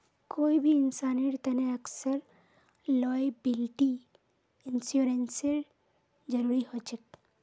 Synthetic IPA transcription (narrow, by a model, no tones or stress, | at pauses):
koːibʱiːnsaːniɽt̪ɐneɐksəɾ | lɔːjbɪlʈi | ɪnsjuɾenseɾ | d͡ʒɐɾuːɾiɦot͡ʃək̚